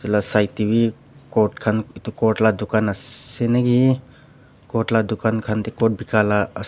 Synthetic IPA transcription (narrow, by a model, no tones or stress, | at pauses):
ilasajtibi | kɔɾʈ̚kʰanit̪ukɔʈlad̪ukanɐsenaɡi | kɔʈlad̪ukankʰant̪ekɔʈ̚bikalaɐ